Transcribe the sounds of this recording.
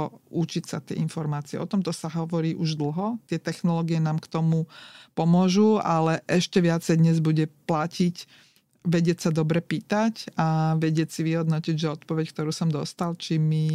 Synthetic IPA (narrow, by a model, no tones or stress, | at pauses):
ut͡ʃicsat̪ɪɛ̰infɔɾmaːt͡siɛ̰ʔɔt̪ɔmt̪ɔsaɦɔʋɔɾiːʔuʒd̪l̩ˠɦɔt̪ɪɛt̪ɛxnɔlɔːɡijɛnaːmkt̪ɔmupɔmʊɔʒualɛʔɛʃcɛʋɪat͡sɛjd̪ɲɛzbuɟɛplacic | ʋɛɟɪɛcsad̪ɔbɾɛpiːt̪acaʋɛɟɪɛcsiʋiɦɔd̪nɔciɟʒɛɔt̪̚pɔʋɛckt̪ɔɾuːsɔmd̪ɔst̪alt͡ʃimi